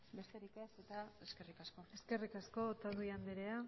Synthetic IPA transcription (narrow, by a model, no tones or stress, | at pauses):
be̞st̪e̞ɾikese̞t̪aeske̞rikasko̞e̞ske̞rikasko̞t̪azuiand̪eɾea